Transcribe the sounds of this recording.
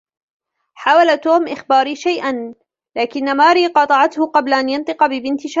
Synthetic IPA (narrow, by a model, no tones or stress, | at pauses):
ħaːwalat̪oːmʔɪxbaːɾiːʃajʔan | laːkɪnːamaːɾiːqɑt̪ˤɑʕɑt̪hʊqɑblaʔanjɑnt̪ˤɨqɑbɪbɪnt̪ɪʃa